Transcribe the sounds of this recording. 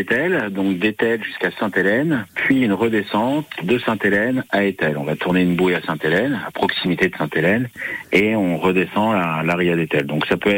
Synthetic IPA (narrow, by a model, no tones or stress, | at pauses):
et̪ɛld̪ɔ̃k̚d̪et̪ɛlʒyskasɛ̃t̪elɛnpʰɥiynʁəd̪esɑ̃t̪d̪əsɛ̃t̪elɛnaet̪ɛlɔ̰̃vat̪uʁneynbujasɛ̃t̪elɛna̰pχɔksimit̪ed̪əsɛ̃t̪elɛneɔ̃ʁəd̪esɑ̃alaʁiad̪et̪ɛld̪ɔ̃ksapøɛ